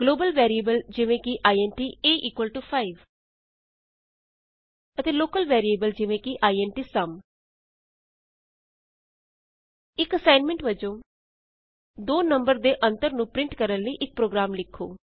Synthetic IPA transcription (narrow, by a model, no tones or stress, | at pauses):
ɡloːbəlʋɛːɾieːbəld͡ʒɪʋẽːkɪʔaːiɛ̃ɳʈiːeːʔiːkwəlʈuːpʰaːiʋ | ət̪eːloːkəlʋɛːɾieːbəld͡ʒɪʋẽːkɪʔaːiɛːɳʈiːsəm | ɪkəsaːɪnmɛ̃ɳʈʋəd͡ʒõː | d̪oːnəmbəɾd̪eːʔənt̪əɾnũːpɾɪ̃ɳʈkəɾənləiːʔɪk̚pɾoːɡɾaːmlɪkʰːo̰ː